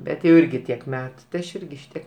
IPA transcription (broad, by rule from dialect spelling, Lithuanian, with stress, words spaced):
ˈbʲɛt jɛʊ ˈɪrʲɡʲɪ tʲiɛk ˈmʲæːtʊ tɐɪ ˈɐʃ ˈɪrʲɡʲɪ ˈʃʲɪtʲiɛk